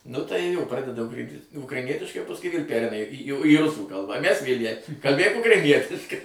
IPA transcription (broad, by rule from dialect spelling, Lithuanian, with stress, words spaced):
nʊ tɐɪ joː ˈprɑːdʲɛdɐ ˈʊkrɐ ʊkrɐɪˈnʲiɛtʲɪʃkɐɪ oː pɐsˈkʊɪ ʋʲeːlˠ ˈpʲæːrʲɛɪnɐ iː jɛʊ iː ˈrʊsuː ˈkɐlˠbɑː ˈmʲæs ˈʋʲeːlʲ jɛɪ kɐlʲˈbʲeːk ʊkrɐɪˈnʲiɛtʲɪʃkɐɪ